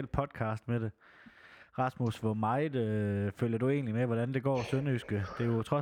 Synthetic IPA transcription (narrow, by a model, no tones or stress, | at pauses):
ld̥̚pʰɒ̽d̥̚kʰɑ̰̈ːsd̥med̥e̝ | ʁɑ̈smusʋɒmɑ̈ɪd̥føl̰jɐd̥ue̝̰ːnlimeʋɒɾ̥ænd̥e̝ɡ̥ɒ̰ːsønysɡ̥əd̥e̝jo̝t͡sʰʁɒ̽